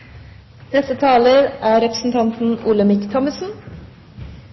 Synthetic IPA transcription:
nɛst̪ət̪ʰɑːləɾʔæːɾɛpɾəsn̩t̪ʰɑnt̪n̩uːləmɪkt̪ʰɔməsn̩

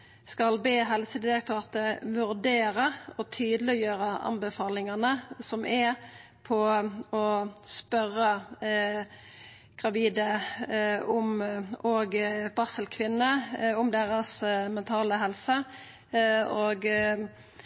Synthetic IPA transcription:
skɑlbeːɦɛlsəd̪ɪd̪ɛʁklɑːʁt̪əʋʉʁd̪eːɾəɔt̪ʰyːd̪lɪjøːʁəɑ̰nbəfɑːlɪŋɑnəsɔmɛ | pʰɔɔspœɾːə | ɡ̥ʁɑʋiːd̪ə | ʊmoːɡb̥ɑsəlkʰʋɪnːəʊmd̪eːɾəsmɛnt̪ʰɑːləɦɛlsə | oːɡ

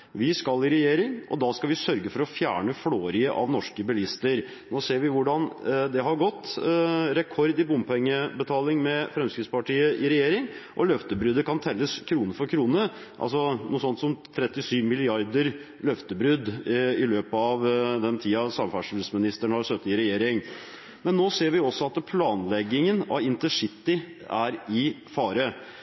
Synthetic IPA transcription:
ʋɪskɑlɪɾɛjeːɾɪŋʔɔ̰d̪ɑskɑlʋɪsœɾɡəfɔɾɔfjæːɳəfɽoːɾɪəʔɑ̰ʋnɔʂkəbɛlɪst̪əɾ | noːseːɾʋɪʋʊɖɑnd̪ɛɦɑɾɡɔt̪ːɾɛkʰɔɾd̪ɪbʊmpʰɛŋːəbət̪ʰɑːlɪŋmɛfɾɛmskɾɪd̪spɑʈiːəʔɪɾɛjeːɾɪŋʔɔlœft̪əbɾʏd̪əkɑnt̪ʰɛlːəskʰɾuːnəɾfɔɾkʰɾuːnə | ʔɑ̰lsɔnuːsɔnt̪sɔmt̪ʰɾɛt̪ːɪsyːʋmɪlɪɑɾd̪əɾ | lœft̪əbɾʉd̪ɪløːpəɑʋd̪ɛnt̪ʰiːɑsɑmfɑʂʉlsmɪnɪst̪əɳəhɑɾst̪œt̪ːəɪɾɛjeːɾɪŋ | mɛnːoːseːɾʋɪɔsːɔɑt̪pʰlɑːnlɛɡːɪŋənɑ̰ʋɪnt̪əʂɪt̪ːɪ | æɾɪ | fɑːɾə

